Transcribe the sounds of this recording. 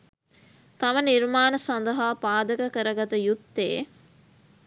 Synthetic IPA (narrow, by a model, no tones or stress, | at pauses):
t̪ɐʋəniɾmaːnəsand̪əɦaːpaːd̪əkəkəɾəɡat̪əjut̪ːḛː